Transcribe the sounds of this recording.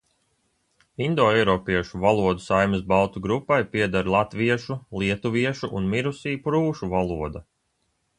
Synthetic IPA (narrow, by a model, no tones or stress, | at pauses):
ind̪ɔːɛjɾɔːpiɛʃuvalˠuɔd̪usajmɨsbalˠt̪uɡɾupːajpʲiɛd̪aɾlˠat̪viɛʃulˠiɛt̪uviɛʃuʔunmiɾusiːpɾuːʃuvalˠuɔd̪a